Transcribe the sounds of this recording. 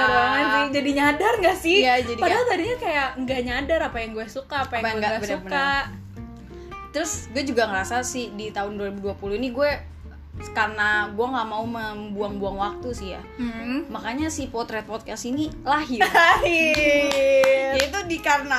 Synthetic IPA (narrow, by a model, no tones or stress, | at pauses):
abaŋansɪd͡ʒadiɲadarŋɡaʔsɪjad͡ʒadipadaat̪adiɲakajaʔŋɡaɲadaɾapajaŋɡuɛsukaːpaajaɡɛɡaɡabəsuməkaʔ | t̪əɾʊsɡuɛd͡ʒuɡaŋəɾasasɪhdit̪aʊnduaɾibuduapuluhiniɡuɛ | karənaɡuɛŋɡaʔmauməmbuaŋbuaŋwak̚t̪usɪhja̰m̩makaɲasɪhpɔt̪ɾɛt̪̚pɔt̪̚kɛstinilaɦɪaɦɪ | jait̪udikarəna